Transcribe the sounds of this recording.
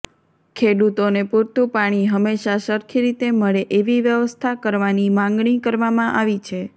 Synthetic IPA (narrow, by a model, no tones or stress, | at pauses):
kʰeɽut̪onepuɾt̪upaɽ̃iɦəmːeʃaʃəɾkʰiɾit̪eməɭeʔeʋiʋjəʋəst̪ʰakəɾʋanimãŋɡɳikəɾʋamãʔaʋit͡ʃʰe